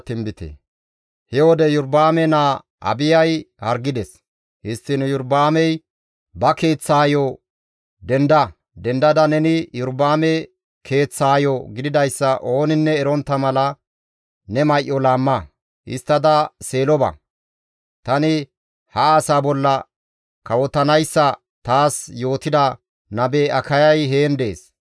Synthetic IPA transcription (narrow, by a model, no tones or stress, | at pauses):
t̪ɪmbɪt̪ḛ | hɛwɔd̪ɛjʊɾbaːmɛnaː | ɐ̰bɪjɐjhɐɾɡɪd̪ɛs | hɪst̪ːɪnjʊɾbaːmɛj | bɐke̞ːt͡sːaːjɔ | d̪ɛnd̪ɐ | d̪ɛnd̪ɐd̪ɐnɛnɪjʊɾbaːmɛ | kʰe̞ːt͡sːaːjɔɡɪd̪ɪd̪ɐjsːɐʔo̞ːnɪnːɛːɾɔnt̪ːɐmɐlɐ | nɛmɐjʔːɔlaːmːɐ | ʔɪ̰st̪ːɐd̪ɐse̞ːlɔbɐ̰ | t̪ɐnɪ | hɐaːsaːbɔlːɐ | kɐwɔt̪ːɐnɐjsːɐ | t̪aːsjo̞ːt̪ɪd̪ɐ | nɐbeːɐkɐjɐjɦeːnd̪e̞ːs